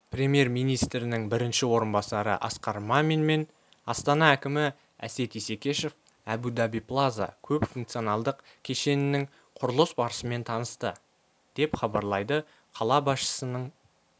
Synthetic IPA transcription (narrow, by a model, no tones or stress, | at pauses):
pɾʲe̞mje̞ɾmijnijst̪ɾɪnɪŋbɪɾɪnʃɪwo̞ɾənbɑsɑɾə̰ʔɑ̰sqɑɾmɑmenme̞n | ɑst̪ɑnɑækʲɪmɪ | æ̰se̞t̪ise̞kʲe̞ʃe̞f | æbud̪ɑbijplˠaza̰kʲʰɵpfuŋk̚t̪sɨjonɑlˠd̪əq | kʲʰe̞ʃe̞nɪnɪŋ | qʰʊɾəlˠəsbɑɾəsəme̞nt̪ʰɑnəst̪ə | d̪̥e̞pχɑbɑɾlˠɑjd̪ə | qʰɑlˠɑbɑsʃə̥sənəɴ